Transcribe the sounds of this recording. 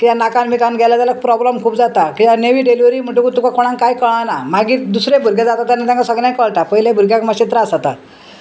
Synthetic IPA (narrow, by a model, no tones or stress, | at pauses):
kijanakanmikanɡʱɛlat̪jalak̚pɾɔbləmkʰuːpd͡zat̪akijaneʋiːɖeliʋɾiːm̤əɳʈ̬ũkut̪ukakoɽ̃ãŋkajkəɭ̃anamaɡiːd̪usɾebʱuɾɡed͡zat̪at̪janːat̪jãŋkasəɡljãjkəɭʈ̪apəɦilebʱuɾɡjãkmaɕit̪ɾaːsat̪a